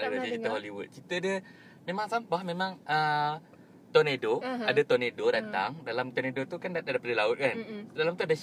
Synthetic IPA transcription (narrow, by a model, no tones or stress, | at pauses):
dadid͡ʒit̪əɦoliwṵt̪̚t͡ʃit̪ədə | mẽmaŋsambaamẽmãŋə | t̪ɔnedoadət̪ɔnedodant̪a̰ŋdalamt̪ɔnedot̪ukandadadapadəlaʊt̪̚kandalamt̪uadə